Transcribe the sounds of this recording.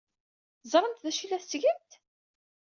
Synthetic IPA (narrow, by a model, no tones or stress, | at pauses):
zˤɾˤənt̪ðæʃilæθsʝəmt̪